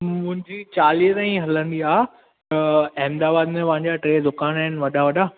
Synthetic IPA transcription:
mʊ̃ɦɪ̃ɲd͡ʑit͡ɕaːliət̪ãːĩɦɐlə̃nd̪iaːɦ | t̪ɐɛɦmd̪aːbaːd̪mẽpɐ̃ɦãɲd͡ʑaʈɾeːd̪ʊkaːnaːɦɪnʋɐɗaʋɐɗa

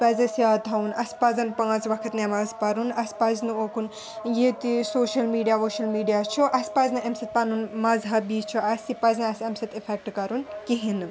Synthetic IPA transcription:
pɐzɐsjat̪ʰɐunʔɐspazɐnpãːzʋɐkʰɐt̪nemɐzpɐɾunɐspɐznɨokʰun | jet̪isoːʃɐlmiːɖijaʋoʃɐlmiːɖijat͡ʃʰuʔɐspɐznɨɐmsɐt̪̚pɐnunmɐzɦɐbiːt͡ʃʰuɐsipɐznɐɐsɐmsɐt̪ipʰek̚ʈkɐɾunkiɦinɨ

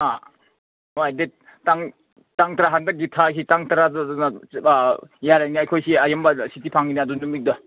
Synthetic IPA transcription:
a | ojde | taŋ | taŋtɾaɦandɐk̚ɡitʰas̬ʰitaŋtaɾadduna | jaɾajniajkʰojsiajambɐsitipʰaŋineɐdunumik̚dɔ

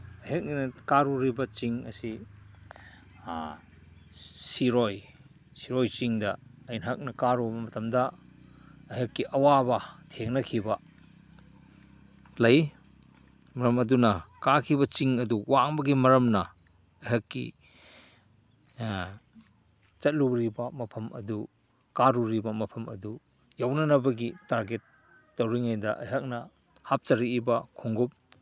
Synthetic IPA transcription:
ɐɦɐk̚nnɐkaɾuɾibɐt͡ʃiŋɐ̰si | siɾoj | siɾojt͡ʃiŋdɐɐjnɦak̚nɐkaɾubɐmɐtʰɐmdɐː | jɦɐkːiʔɐwabɐtʰeŋnɐkʰibɐ | lɐj | mɐɾɐmɐdunɐkakʰibɐt͡ʃiŋɐduwaŋbɐɡimɐɾɐmnɐ | ɐjɦɐkːḭ | t͡ʃɐt̚luɾibɐmɐpʰɐmɐ̰du | kaɾuɾibɐmɐpʰɐmɐ̰du | jawnɐnɐbɐɡitaɾɡetː | owɾiŋajdɐʔɐ̰jɦɐk̚nɐ | hap̚t͡ʃɐɾiibɐkʰoŋɡup̚

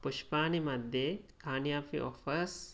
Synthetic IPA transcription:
puʃpaːnimɐd̪ʱjekʰaːnijaːfḭʔo̰fɐs

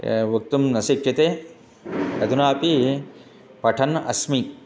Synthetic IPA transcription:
ʋɐk̚t̪umnɐsikt͡ʃit̪eː | ɐd̪ʱunaːpi | pɐʈʰɐnɐ̰smi

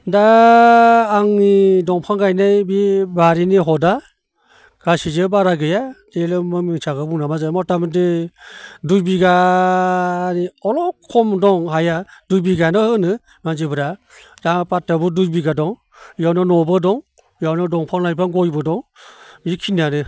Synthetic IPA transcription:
daː | ŋnidɔŋpʰaŋɡajnajbibaɾiniɦɔda | ɡ̥asizɯbaɾaɡɯjad̥elɯmɯmiŋsʰaɡɯbuŋnamazamɔtamdi | dujbiɡa | ɾiɔlɔkʰːɔmdɔŋɦajadujbiɡanɔhɯnɯ | manzibɯɾa | daŋpat̚ːabudujbiɡadɔŋ | jawnanɔbɯdɔŋ | jawnɔdɔŋpʰaŋlajpʰanɡɔjbɯdɔŋbikʰinanɯ

